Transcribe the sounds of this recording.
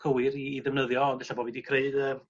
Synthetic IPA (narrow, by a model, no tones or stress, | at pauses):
kʰəwɪɾiːðɛvnəðjɔːndɛɬabɔvidikʰreɨdəː